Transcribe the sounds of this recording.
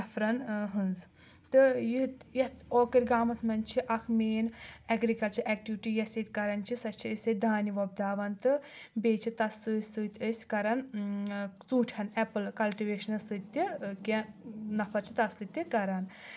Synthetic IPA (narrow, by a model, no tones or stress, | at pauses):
ɐfʰɾɐnɦɨnz | t̪ɨjit̪jɐt̪oːkiɾʲɡaːmɐt̪ʰmɐnt͡ʃʰiʔɐkʰmeːnɐɡɾikɐlt͡ʃɐɾʔɛk̚ʈiʋiʈijɐsit̪ʲkɐɾɐnt͡ʃʰisɐt͡ʃʰiised̪aːniʋob̚d̪aːʋɐnt̪ɨbeːt͡ʃʰit̪ɐsɨːsɨːt̪ʲəsʲkɐɾɐn | t͡sũːʈʰɐnɛpɨlkɐlʈiʋeːʃɐnɐsɨt̪ʲːikenɐfʰɐɾt͡ʃʰi̥t̪ɐsɨt̪ʲikɐɾɐn